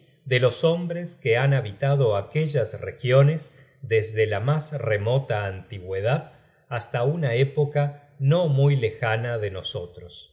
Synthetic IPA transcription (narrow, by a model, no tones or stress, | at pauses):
d̪elo̞so̞mbɾeskeanaβit̪aðo̞akeʒasrexjonez | d̪ezðelamasremo̞t̪aːnt̪iɣweð̞að | ast̪aunaepo̞ka | no̞mujlexanaðenoso̞t̪ɾos